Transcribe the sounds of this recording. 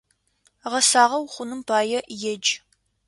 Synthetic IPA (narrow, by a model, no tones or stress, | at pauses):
ʁɐsaːʁɐwχʷʊnɨmpʰaːjɛjɛd͡ʒ